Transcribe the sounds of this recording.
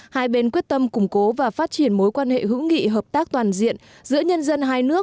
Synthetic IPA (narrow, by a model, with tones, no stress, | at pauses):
haː˧jɓe˧nkwi˦˥ət̚t̪ə˧mkʊ˨˧˩ŋ͡mko˨˦vaː˨˩faː˦˥t̚t͡ɕi˧˩ənmo˨˦jkwaː˧nhḛ˧˨ɦɨ̰˧˥ŋḭ˧˨ɦəː˨˩p̚t̪aː˦˥k̚t̪waː˨˩nzḭ˧˨ən | zɨ̰˧˥əɲə˧nzə˧nɦaː˧jnɨ˦˥ək̚